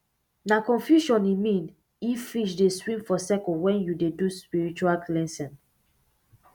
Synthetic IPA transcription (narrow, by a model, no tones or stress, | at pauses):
nakɔ̃nfjuʃɔ̃nimĩn | ifːiʃ̬deswĩmfɔsɛkɔ̃wɛ̃njudeduspiɹit͡ʃualklɛ̃nsɛ̃n